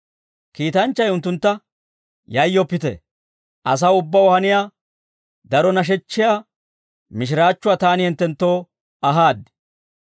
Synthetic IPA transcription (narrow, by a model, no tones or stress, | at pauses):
kiːt̪ɐnt͡ʃːɐjʊnt̪ːʊnt̪ːɐ | jɐjːɔpːɪt̪ɛ̰ | ʔɐs̬ɐʊbːɐwɔhɐnɪjaː | d̪ɐɾɔnɐʃ̬ɛt͡ʃːɪjaː | mɪʃɪɾaːt͡ʃːʊwaːt̪aːnɪhɛnt̪ːɛnt̪ːo̞ː | ɐɦaːd̪